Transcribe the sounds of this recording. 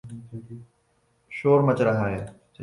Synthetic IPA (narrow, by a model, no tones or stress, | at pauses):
ʃoːɾmɐt͡ɕɾɐɦaːɦeː